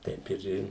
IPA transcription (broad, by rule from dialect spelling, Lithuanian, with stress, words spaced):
ˈtʲɛɪp ɪr ˈɪ